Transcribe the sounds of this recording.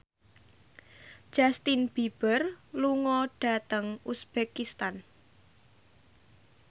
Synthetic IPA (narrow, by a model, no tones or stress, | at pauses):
ʒ̥ast̪inb̥ib̥ərluŋɔɖ̥a̤t̪əŋusb̥ekist̪an